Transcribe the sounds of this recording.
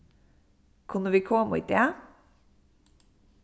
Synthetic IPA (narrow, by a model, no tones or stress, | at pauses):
kʰʉnːəʋiːkʰɔmṵːt̪̚d̪eː